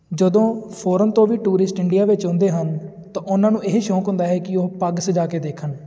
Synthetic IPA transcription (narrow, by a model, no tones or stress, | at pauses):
d͡ʒəd̪õːpʰoːɾənt̪õːʋiːʈuːɾɪsʈɪɳɖijaːʋɪt͡ʃɦõnd̪eːɦən | t̪ãːʔʊnãːnũːeɦʃɔ̃ːkɦʊ̃nd̪aːɦɛːkɪoːpəɡsəd͡ʒaːkeːd̪eːkʰən